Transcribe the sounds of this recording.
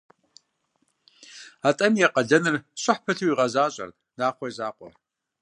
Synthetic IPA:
aːtʼɐmjɛqʼɐɮɐnɨrɕʼɪħpʰɐɬʰuwiʁɐzaːɕʼɐ̰r | d̥aːχʷɔjzaːqʷʼɔ̰

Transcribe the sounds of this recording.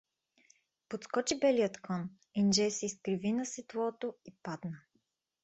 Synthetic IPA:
pot̪skɔt͡ʃibɛliət̪kʰɔn | ind͡ʒɛsɛiskɾivinɐsit̪lˠɔt̪oipad̪nə

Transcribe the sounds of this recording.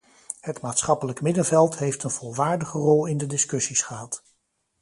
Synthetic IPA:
hətmaːtsχɑpələkmɪdənvɛlˠtɦejftənv̥ɔlˠʋaːɹdəχərɔlˠɪndədɪskɵsisχəɦɑt

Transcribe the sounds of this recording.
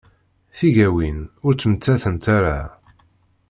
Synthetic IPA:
θiʝæwinʊɾt͡sːmt͡sːæθənt̪aɾa

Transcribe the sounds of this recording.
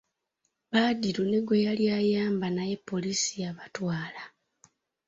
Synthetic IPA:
βaːdiɾone̞ɡwe̞jaljaːjaːmbanaje̞pːo̞lisiaβatwaːla

